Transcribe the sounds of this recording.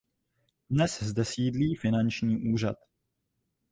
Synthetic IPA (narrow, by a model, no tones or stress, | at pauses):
dnɛszdɛsiːdliːfɪnant͡ʃɲiːʔuːr̝a̰t̪